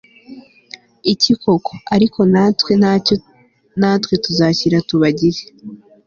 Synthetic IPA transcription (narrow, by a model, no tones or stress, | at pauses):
icikʰo̞kʰoaɾiko̞natwe̞ | naːtwe̞tuzaːciɾatuβaɟiɾe̥